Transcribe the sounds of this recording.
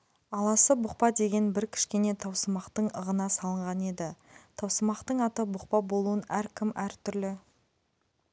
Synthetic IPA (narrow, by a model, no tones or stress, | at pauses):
ɑlˠɑsəbʊq̚pɑd̪e̞ɡʲe̞nbɪɾkʲʰɪ̥ʃkʲe̞ne̞t̪ʰɑwsəmɑqt̪əɴəʁənɑsɑlˠəɴʁɑne̞d̪ɪt̪ʰɑwsəmɑqt̪əɴɑt̪əbʊq̚pɑbo̞lˠuənæɾkʲʰɪmʔæɾt̪ʰʏɾlɪ